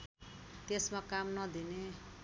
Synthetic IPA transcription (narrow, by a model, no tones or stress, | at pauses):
t̪esmakamnʌd̪ine